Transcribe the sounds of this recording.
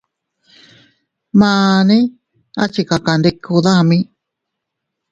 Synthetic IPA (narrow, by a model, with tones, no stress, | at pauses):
mãː˧nĩ˦ | a˦t͡ʃi˧ka˨ka˨nd̪i˧kʰu˧ðã˦˧mĩ˦